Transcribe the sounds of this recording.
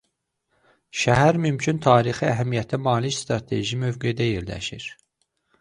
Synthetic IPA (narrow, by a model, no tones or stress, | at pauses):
ʃæɦæɾmymcʰynt̪ʰɑːɾixiæɦæmijæt̪ʰæmɑːlicst̪ɾɑt̪ʰe̞̰ʒimøvɡejd̪æjeɾlæ̰ʃḭɾ̥